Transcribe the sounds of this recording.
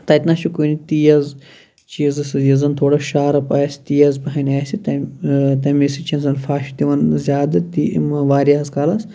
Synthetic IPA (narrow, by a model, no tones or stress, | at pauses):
t̪ɐit̪naːʃukunit̪iːjɐz | t͡ʃiːzɨsɨjizɐnt̪ʰoːɽɐʃaːɾɐpɐːsi̥t̪iːjɐzpɐɦɐnʲaːsit̪ɐt̪ɐmisit͡ʃʰinzɐnfaːʃt̪iʋɐnzʲaːd̪ɨt̪imɐʋaːɾʲaɐzkaːlɐs